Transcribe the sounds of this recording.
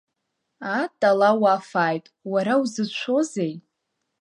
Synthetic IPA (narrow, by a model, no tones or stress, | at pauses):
atʼalawafaːjtʼwaɾawzɨt͡ʃʷʰo̞zej